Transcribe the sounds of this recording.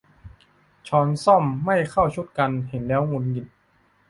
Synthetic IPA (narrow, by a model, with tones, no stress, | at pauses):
t͡ɕʰɔː˧˥nsɔ˥˩mːa˥˩jkʰa˥˩wt͡ɕʰu˧˥˩t̪̚ka˧nhe˩˦nlɛː˦˥wŋu˧nji˨˩n